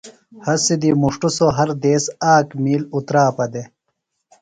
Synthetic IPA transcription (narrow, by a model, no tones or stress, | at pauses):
hɐsid̪imuʂʈusoɦɐɾd̪eːsaːkmiːlut̪ɾaːpɐd̪e